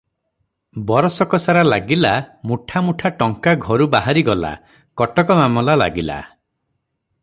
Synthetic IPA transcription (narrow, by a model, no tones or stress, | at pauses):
bɔɾɔsɔkɔsaɾalaɡilamuʈʰamuʈʰaʈɔŋkaɡʱɔɾubaɦaɾiɡɔla̰ | kɔʈɔkɔmamɔlala̰ɡila̰